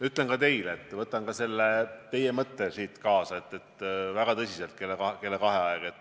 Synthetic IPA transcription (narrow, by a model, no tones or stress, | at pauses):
yt̪ˑlenkɑt̪e̞jleet̪ːˑvɤt̪ːˑɑnkɑse̞lːet̪e̞jemɤt̪ːesiːt̪kɑːsɑe̞t̪ːˑet̪ːvæɡ̥ɑt̪ɤsʲiselt̪̚kelːeɑke̞lːekɑɦe̞ɑjɡ̥e̞t̪ːˑ